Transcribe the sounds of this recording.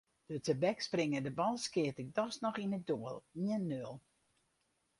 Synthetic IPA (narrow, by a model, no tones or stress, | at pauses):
d̥ətəbɛksprɪŋədəbɔlˠskɪətɪk̚dɔsnɔχinədoəlˠiənːølˠ